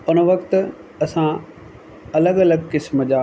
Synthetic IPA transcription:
ʊnəʋɐkt̪ | ɐsã | ɐləɡɐləɡkɪsməd͡ʑaː

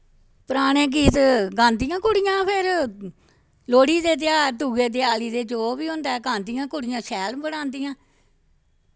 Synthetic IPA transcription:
pəɾaːɽ̃ẽːk̬iːt̪ɡãːnd̪ijãːkʊɽɪjãːpʰɪɾ | loːɽiːd̪eːt̪̬ɪjaːt̪uːɡeːd̪eːaːliːd̪eːt͡ʃoːbiːɦʊ̃nd̪aːɛɡãːnd̪ijãːkʊɽɪjãːʃɛːlmbəɽãːnd̪ijãː

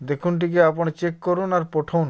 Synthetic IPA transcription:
d̪ekʰunʈ̬ikeapõt͡ɕekːoɾunaɾpoʈʰawn

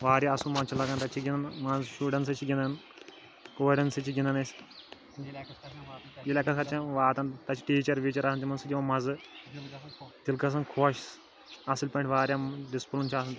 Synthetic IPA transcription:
ʋaːɾjaɐsũmɐnt͡ʃʰilɐɡɐnt̪ɐt͡ʃʰiɡʲinɐnmɐzʃuːɖɐnsɐt͡ʃʰiɡʲinɐn | koːɖɐnsɐt͡ʃʰiɡʲinɐnɐs | d͡ʒilɐkɐskʰɐt͡ʃʰɐ̃ʋaːt̪ɐnt̪ɐt͡ʃʰi̥ʈiːt͡ʃɐɾʋiːt͡ʃɐɾasnt̪ʲimɐnsud͡ʒ̪ʲiʋɐmɐz | t̪ilkɐs̬ɐnkʰoːʃ | ɐsilʲpɐ̃ɳʈʰʋaːɾʲjaɖispulunt͡ʃʰaːsɐnt̪

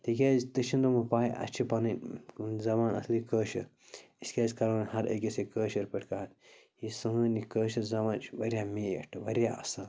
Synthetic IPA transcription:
t̪ik̬ʲaːzʲt̪ɐʃind̪ɐmɐpaːiʔɐ̰t͡ʃʰipɐnɐnʲzɐmaːnɐ̰slikəːʃɐɾ | iskʲaːzʲkɐɾɐːnhɐɾɐ̰kʲesekəːʃɐɾpɐʈʰʲkɐɦɐt̪ | jisɨŋɐːnikəːʃɐzɐmaːnt͡ʃʋɐɾʲjaːmeːɐ̰ʈʰɨʋɐɾʲjaːɐ̰saːn

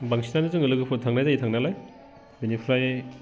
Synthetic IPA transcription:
baŋsinanɯzɯŋɯlɯɡɯpʰut̚tʰaŋnajdaitʰaŋnalaj | binipʰlaj

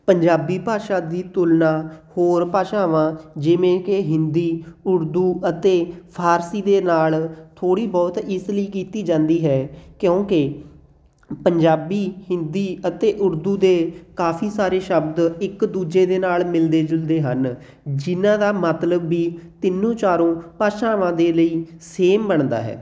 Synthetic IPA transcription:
pəɲd͡ʒaːbiːpaːʃaːd̪iːt̪ʊlnaːhoːɾpaːʃãːʋãːd͡ʒɪʋẽːkeɦɪnd̪iːʊɾd̪uːʔət̪eːpʰaːɾsiːd̪eːnaːlt̪ʰoːɽiːbɔːt̪ɪsləiːkiːt̪iːd͡ʒãːnd̪iːɦɛːkjõːkɪ | pəɲd͡ʒaːbiːhɪnd̪iːət̪eːʔʊɾd̪uːd̪eːkaːpʰiːsaːɾeːʃəbd̪ɪkd̪uːd͡ʒeːd̪eːnaːlmɪld̪eːd͡ʒʊld̪eːɦən | d͡ʒɪnãːd̪aːmət̪ləbːiːt̪ɪnːõːt͡ʃaːɾõːpaːʃãːʋãːd̪eːləiːseːmbəɳd̪a̰ːɦɛ̰ː

